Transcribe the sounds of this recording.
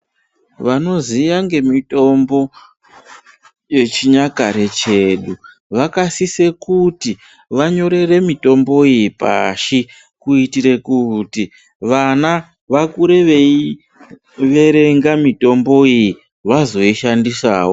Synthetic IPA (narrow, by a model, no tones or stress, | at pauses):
ʋano̞zijaŋɡe̞mito̞mbo̞ | je̞t͡ʃiɲakaɾe̞t͡ʃe̞ːɗu | ʋakasise̞kuti | ʋaɲo̞ɾe̞re̞mito̞mbo̞ijipa̰ʃi | kuitiɾe̞kuti | ʋana | ʋakuɾe̞ʋei | ʋe̞ɾe̞ŋɡamito̞mbo̞iji | ʋazo̞iʃandisaːwo